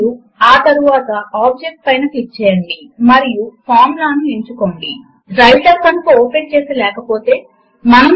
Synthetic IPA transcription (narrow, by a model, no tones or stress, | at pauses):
u | aːt̪ɐɾuʋaːt̪ɐaːb̚d͡ʒek̚ʈ̚pɐjnɐkit͡ʃːɛːjɐɳɖimɐɾijupʰaːɾmlaːnueɲt͡ʃuko̞ːɳɖi | ɾɐjʈɐɾkɐnukooːpeɳt͡ʃeːsilɛːkɐpo̞ːt̪e̞ː | mɐnɐm